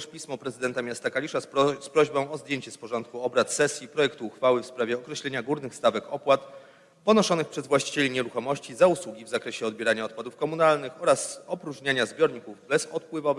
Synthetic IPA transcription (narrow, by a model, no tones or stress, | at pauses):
ʂpʲismɔpɾɛzɘd̪ɛnt̪amʲjast̪akalʲiʂaspɾɔʑbɔ̃w̃ɔzd̪ʲjeɲt͡ɕɛspɔʐɔnt̪̚kuɔbɾat̪sɛsʲjipɾɔjɛkt̪uːxfawɘfspɾavʲjɛɔkɾɛɕlɛɲaɡuɾnɘxst̪avɛkɔpwat̪ | pɔnɔʂɔnɘxpʂɛzvwaɕt͡ɕi̥t͡ɕelʲiɲɛɾuxɔmɔɕt͡ɕizauswuɡʲivzakɾɛɕɛɔd̪bjeɛɾaɲaɔt̪̚pwad̪ufkɔmunalnɘxɔɾasɔpɾuʐɲaɲazbʲjɔɾɲikuvbɛsɔt̪pwɘvɔvɘx